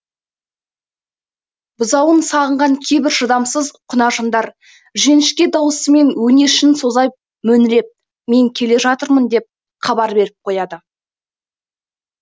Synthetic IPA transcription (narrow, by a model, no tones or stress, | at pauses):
bəzɑwənsɑʁəɴʁɑŋkʲʰe̞jbɪɾʒəd̪ɑmsəzqʰʊnɑʒənd̪ɑɾ | ʒe̞nɪʃkʲe̞d̪ɑwəsəme̞nwɵne̞ʃɪnso̞zɑjp̚ | mɵnɪɾe̞p̚ | me̞ŋkʲʰe̞le̞ʒɑt̪əɾmənd̪e̞p̚ | χɑbɑɾbe̞ɾɪp̚qʰo̞jɑd̪ə